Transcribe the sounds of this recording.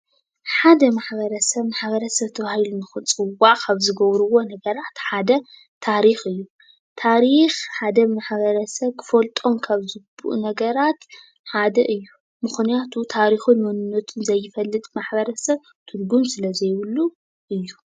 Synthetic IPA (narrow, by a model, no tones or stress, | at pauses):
ħad̪ɐmaħbɐɾɐsɐβmaħbɐɾɐsɐβt̪ʰɐβahilunɨxunt͡sʼɨwːaʔkʰaβzɨɡɐβɾuwo̞nɐɡɐɾat̪ħad̪ɐ | t̪ʰaɾixɨjːu | t̪ʰaɾixħad̪ɐmaħβɐɾɐsɐβkʰɨ̥fɐlt̪ʼo̞mkʰaβzɨbuʔnɐɡɐɾat̪ | ħad̪ɐʔɨjːu | mɨxnijat̪ʰut̪ʰaɾixunmonɨnːɐt̪ʰɨnzɐjːɪfɐlːɨt̪ʼmaħbɐɾɐsɐβ | t̪ʰuɾɡumsɨlɐzɐjwɨlːu | ʔɨjːu